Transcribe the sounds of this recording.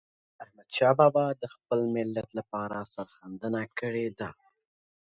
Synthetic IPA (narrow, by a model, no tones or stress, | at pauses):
ahmad̪ʃɑbɑbɑd̪əxpəlmɪlːat̪lapɑɾasaɾxand̪ənakəɽed̪a